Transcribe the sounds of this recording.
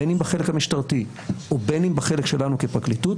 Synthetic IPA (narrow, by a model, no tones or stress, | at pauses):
enimbaχelekhamiʃtaʁti | ʔobenimbaχe̞lekʃe̞lanukepʁaklitut